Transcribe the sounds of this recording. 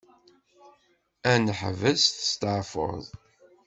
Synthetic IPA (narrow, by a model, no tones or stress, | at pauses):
ænəħvəsθə̥st̪əʕfo̰ðˤ